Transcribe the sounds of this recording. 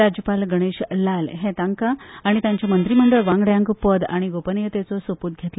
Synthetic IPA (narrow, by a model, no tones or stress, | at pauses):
ɾad͡ʑjəpalɡəɽ̃eɕlalɦet̪aŋkaːɽ̃it̪jãɲt͡ɕjamənt̪ɾim̤əɳɖəɭʋãŋɡɭjãŋkpəd̪a̰ɽ̃iɡopənjət̪et͡sɔsopuːt̪̚ɡʱet̪lə